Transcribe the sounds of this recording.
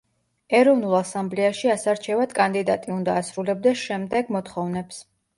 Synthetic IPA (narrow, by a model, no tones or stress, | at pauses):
ɛɾɔvnulˠasamblɛaʃiasaɾt͡ʃʰɛvad̪̥kʼand̪id̪at̪ʼiund̪aːsɾulɛb̚d̪ɛsʃɛmd̪ɛɡmɔt̪χɔvnɛps